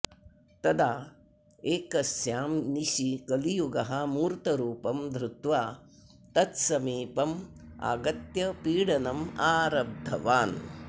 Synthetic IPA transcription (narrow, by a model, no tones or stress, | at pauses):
t̪ɐd̪aː | eːkɐsjaːmniʃikɐlijuɡɐɦɐmuːɾt̪ɐɾuːpɐmd̪ɾut̪ʋaː | t̪ɐt̪sɐmiːpɐma̰ːɡɐt̪jɐpiːɽɐnɐmaːɾɐb̚d̪ʱɐ̰ʋaːn